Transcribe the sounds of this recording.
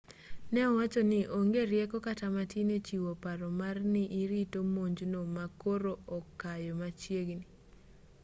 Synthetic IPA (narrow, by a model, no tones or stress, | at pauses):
nɛwat͡ʃɔnɪʔoŋɡeɾjɛkɔkatamatinet͡ʃiwopaɾɔmarnɪʔiɾitomoɲd͡ʒnomakoɾoʔɔkːajɔmat͡ʃjeɡni